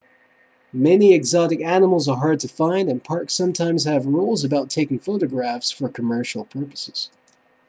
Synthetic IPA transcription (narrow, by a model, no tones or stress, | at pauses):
mɛniɨɡzɑɾɨkænəml̩ˠzə˞ɦɑɹd̚tʰɨfãɪ̃ndɨ̃npʰɑɹksʌ̃mtʰãɪ̃mz̥ɨvɹulˠzəbaʊtʰːeɪkɪ̃ŋfoʊɾɨɡɹæfsfə˞kʰəmɜ˞ʃl̩ˠpʰɜ˞pə̥sɨz̥